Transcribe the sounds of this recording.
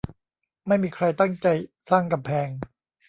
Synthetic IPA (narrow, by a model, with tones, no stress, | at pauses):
ma˥˩jmiː˧kʰɾa˧jt̪a˥˩ŋt͡ɕa˧j | saː˥˩ŋka˧mpʰɛː˧ŋ